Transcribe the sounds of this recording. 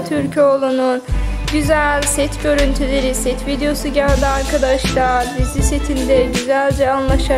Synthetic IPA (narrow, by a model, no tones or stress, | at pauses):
t̪ʰyɾcʰolˠunun | ɟyzælʲsɛt̪ɟø̞ɾynt̪ʰylʲe̞ɾisɛt̪vid̪ejo̞suɟælʲd̪iaɾkʰad̪aʃlˠaɾd̪izise̞t̪ʰind̪ɛɟyzælʲd͡ʒɛanlˠaʃa